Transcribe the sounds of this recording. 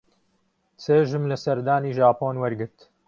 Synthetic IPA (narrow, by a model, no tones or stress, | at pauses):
t͡seːʒɨmlɐsɐɾd̪aːniːʒaːpoːnwɐɾɡɨɾt̪